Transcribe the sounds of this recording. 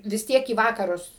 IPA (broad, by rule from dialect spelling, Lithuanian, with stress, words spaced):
ʋʲɪs ˈtʲiɛk iː ʋɐkɐrʊs